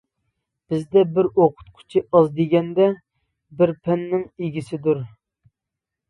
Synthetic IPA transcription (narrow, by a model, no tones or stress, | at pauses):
b̥ɪzd̪ɛbɪɾoqʰʊ̥t̪̚qʰʊ̥t͡ʃʰiʔɑzd̪eɡʲɛnd̪ɛ | bɪɾpʰɛnːɪŋeɡʲisɪd̪uɾ